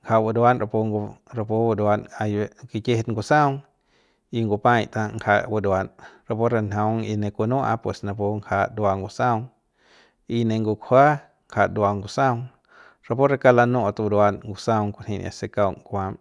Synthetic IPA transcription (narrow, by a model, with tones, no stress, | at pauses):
ŋkʰa˧wu˧d̪wa˧nɾa˧po˧ŋɡɾa˧po˧wu˧d̪wa˧na˧je˧ki˧ke˦˧t̪ŋɡu˧sã˦wŋ | i˧ŋɡu˧pã˧jt̪ã˧ŋkʰa˧wu˧d̪wa˧nɾa˧po˦ɾa˧nã˧˦ŋi˧nẽ˧kʷu˧nũ˦ʔa̰˧pwe˨sna˧po˧ŋkʰa˧d̪wa˧ŋɡu˧sã˦wŋ | i˧nẽ˧ŋɡu˧kʰha˦ | ŋkʰa˧d̪a˧ŋɡu˧˨sa˦wŋ | ɾa˧po˦ɾa˧ka˧la˧nũ˧ʔt̪wu˧d̪wa˧nŋɡu˧sa˧wŋkʷu˧˨n̥ĩ˧˨n̰a̰˧se˧ka˧wŋkʷa˧m